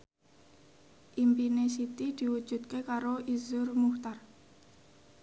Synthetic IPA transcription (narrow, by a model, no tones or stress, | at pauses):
ʔimpinesit̪id̪̥i̤wu̥d͡ʒ̥ṳt̪̚kekaɾoʔizʊrmuht̪ar